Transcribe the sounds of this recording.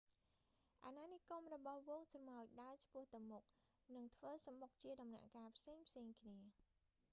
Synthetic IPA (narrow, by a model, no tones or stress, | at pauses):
ʔananikomrɔɓɑhʋoːŋsrɑmaɔj̚ɗaət͡ɕʰpʊ̆əht̪ɨwmʊk̚ | nɨŋt̪ʰʋəːsamok̚t͡ɕiəɗɑmna̰ʔkaːpʰseːŋpʰseːŋkʰniə